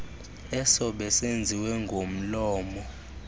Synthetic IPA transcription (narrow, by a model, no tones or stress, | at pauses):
ɛsɔɓɛsend͡zʱiwɛŋɡʱom̩lɔːmɔ